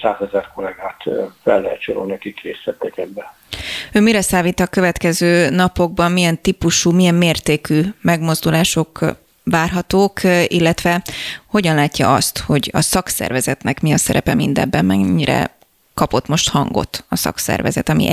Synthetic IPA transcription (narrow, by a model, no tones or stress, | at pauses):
saːzɛzɛrkolɛɡaːt̪fɛlːɛɦɛt̪t͡ʃoɾo̰lnɛkikreːsʋɛt̪ːɛkɛbːɛ | øːmiɾɛsaːviːt̪ɒkø̞vɛt̪kɛzøːnɒpo̞ɡ̚bɒmmijɛnt̪ipuʃuːmijɛmːeːrt̪eːkyːmɛɡmo̞zd̪ulaːʃo̞k | ʋaːrɦɒt̪oːkilːɛt̪ʋɛho̞ɟɒnlaːcːɒʔɒst̪ho̞ɟɒsɒksɛ̰rvɛzɛt̪nɛkmiɒsɛɾɛpɛmind̪ɛ̰mbːɛmmɛɲːiɾɛ̰ | kɒpo̞t̪mo̞ʃt̪hɒŋɡo̞̰t̪ɒsɒ̰ksɛ̰rvɛ̰zɛt̪ɒmḭʔ